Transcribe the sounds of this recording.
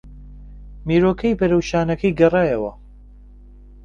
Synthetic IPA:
miːɾoːkʰɐjbɐɾɐwʃaːnɐkʰɐjɡɐrɑːjɐwɐ̰

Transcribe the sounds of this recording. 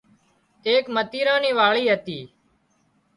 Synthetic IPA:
t̪eːkmət̪iːɾãːniːʋaːɭiːɦət̪iː

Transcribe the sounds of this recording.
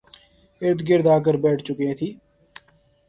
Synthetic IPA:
ɪɾd̪ɡɪɾd̪aːk̬əɾbɛːʈʰt͡ʃʊkẽːt̪ʰiː

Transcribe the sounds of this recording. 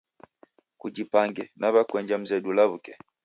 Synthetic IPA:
kud͡ʒipaŋɡɛnaβakwɛɲd͡ʒam̩zɛdulaβukɛ

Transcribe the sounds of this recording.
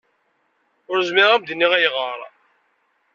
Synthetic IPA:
ʊɾzmɪʁæmbd̪nːiʁæjʁəɾˤ

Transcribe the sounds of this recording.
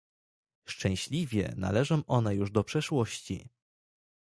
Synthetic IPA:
ʂt͡ʂɛ̃w̃ɕlʲivʲjɛ̰na̰lɛʐɔ̃m̃ʔɔnɛjuʐd̪ɔpʂɛʂwɔɕt͡ɕḭ

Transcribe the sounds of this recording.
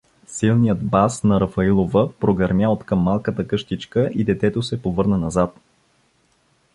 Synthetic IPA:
silˠnijəd̪basnɐɾɐfɐilˠovəpɾoɡɐɾmjaot̪kəmːalˠkət̪əkɤʃt̪it͡ʃkəʔid̪ɛt̪ɛt̪osɛpovɤɾnənɐzat̪

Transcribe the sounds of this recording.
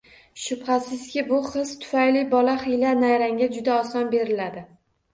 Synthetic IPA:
ʃʊbhasɪzkʲɪbʊχɨst̪ʰʊ̥fajlɪbɒlaχɪjlanajɾaŋɡʲad͡ʒʊd̪aɒsɒnbe̞ɾɪlad̪ɪ

